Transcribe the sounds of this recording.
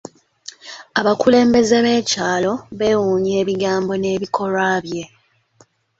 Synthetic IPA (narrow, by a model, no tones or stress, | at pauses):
aβakule̞ːmbe̞ze̞βe̞ːcaːlo̞βe̞ːwuːɲe̞ːβiɡaːmbo̞ne̞ːβikʰo̞ɾaːβje̞